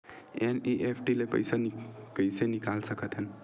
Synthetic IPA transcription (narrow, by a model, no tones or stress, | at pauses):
eniʔepʰʈilepə̰jsanpəjsenikalsəkət̪ɦen